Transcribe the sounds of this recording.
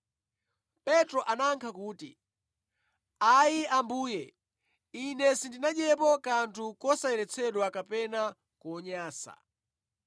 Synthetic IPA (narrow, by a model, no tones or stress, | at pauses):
pɛtɾɔʔanaŋkʰakuːtḭ | aiambuːjɛ | inɛsindinaɗɛpɔkantʰukɔsajɛɾɛt͡sʰɛɗwakapɛna | kuɔɲaːsa̰